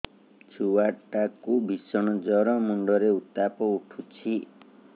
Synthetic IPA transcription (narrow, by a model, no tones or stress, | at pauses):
d͡ʒuwaʈakubʱisɔɽ̃ɔd͡ʒɔɾɔmuɳɖɔɾeut̪apɔuʈʰut͡ʃʰi